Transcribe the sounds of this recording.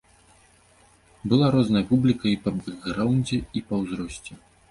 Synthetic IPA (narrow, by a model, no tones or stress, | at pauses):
bɨlˠaɾɔznɐjɐpublʲikɐipɐbɨɣɾawnʲd͡zʲɛipɐwzɾɔsʲt͡sʲɛ